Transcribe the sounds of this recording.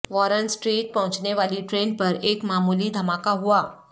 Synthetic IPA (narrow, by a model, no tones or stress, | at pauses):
ʋɔɾənsʈɾiːʈ̚pɐɦʊ̃t͡ʃneʋaːliʈɾeːnpəɾeːkmaːmuːlid̪ʱɐmakaɦuaː